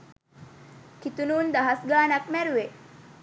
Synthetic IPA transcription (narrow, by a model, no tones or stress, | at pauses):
kit̪unuːnd̪ɐɦɐsɡaːnɐk̚mæɾuʋe